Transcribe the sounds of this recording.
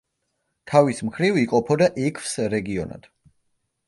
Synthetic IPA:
t̪ʰavismχɾiviqʼɔpʰɔd̪aʔikʰv̥sɾɛɡiɔ̰na̰d̪̥

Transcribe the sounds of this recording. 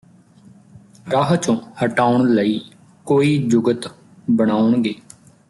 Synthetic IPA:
ɾaːɦt͡ʃõːhəʈaːʊɳləiː | koːiːd͡ʒʊɡət̪ | bəɽ̃aːʊɳɡeː

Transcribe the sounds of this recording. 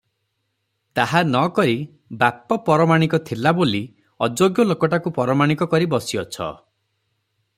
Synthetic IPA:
t̪aɦanɔkɔɾi | bapːɔpɔɾɔmaɽ̃ikɔt̪ʰilaboli | ɔd͡ʒoɡjɔlokɔʈakupɔɾɔmaɽ̃ikɔkɔɾibɔsiɔt͡ʃʰɔ̰

